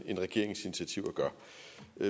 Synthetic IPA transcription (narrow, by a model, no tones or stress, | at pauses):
e̝nʁɛɡ̥e̝ɐ̰eŋsinit͡sʰiæt͡sʰiʊ̰æɡ̥ɶɐ